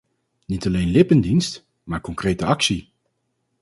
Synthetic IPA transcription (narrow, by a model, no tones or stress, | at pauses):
nitɑlejnlɪpəndinst | maːɹkɔŋkrejtəɑksi